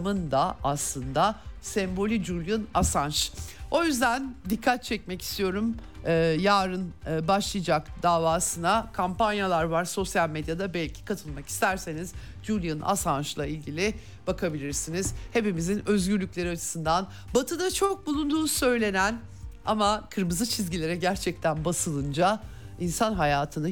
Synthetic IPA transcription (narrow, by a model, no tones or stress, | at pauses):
mɯnd̪aaslˠɯnd̪asɛmbo̞lʲid͡ʒuɾlʲjɯnasant͡ʃo̞jyzd̪ænd̪ikʰːat̪̚t͡ʃʰɛc̚mɛci̥st̪ʰijo̞ɾumː | jaːɾɯnːbaʃlˠɯjd͡ʒakd̪̥aːvaːsɯnakʰampanjalˠaɾvaɾso̞sjalʲmed̪jad̪abɛlʲcʰi̥kʰat̪ʰɯlˠmaki̥st̪ʰæɾse̞niz | d͡ʒulʲijɯna̰sanʃlˠailʲɟilʲi | b̥akʰabilʲiɾsinizhe̞pimizinø̞zɟyɾlʲyclʲe̞ɾiat͡ʃʰɯ̥sɯnd̪an | bat̪ʰɯd̪at͡ʃʰo̞k̚bulˠund̪uːnsø̞jlʲe̞næn | a̰makʰɯɾmɯzɯt͡ʃʰizɟilʲe̞ɾɛɟæɾt͡ʃʰɛc̚t̪ʰænbasɯlˠɯnd͡ʒa | insanɦajaːt̪ʰɯnɯ